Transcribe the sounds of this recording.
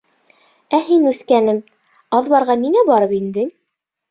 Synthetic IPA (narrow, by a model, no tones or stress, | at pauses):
æhinʉθkænɘm | ɑðβɑɾʁɑniŋæbɑɾɤpind̪ɘ